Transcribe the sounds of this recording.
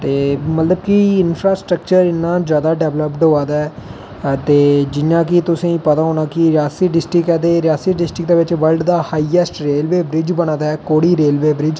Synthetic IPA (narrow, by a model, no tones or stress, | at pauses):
t̪eːmət̪ləbkɪɪnfʰɾaːsʈɾək̚t͡ʃəɾɪnːãːd͡ʒjaːd̪aːɖɛːʋləpɖoːaːd̪aːɛː | t̪eːd͡ʒɪnːãːkit̪ʊsĩːĩːpət̪aːɦoːnaːkiɾɪjaːsiːɖɪsʈɾɪkɛːd̪eːɾɪjaːsiːɖɪsʈɾɪk̚d̪eːʋɪt͡ʃʋəlɖd̪aːhaːiːɛsʈɾeːlʋeːbɾɪd͡ʒbənãːd̪aːɛːkoːɽiːɾeːlʋeːbɾɪd͡ʒ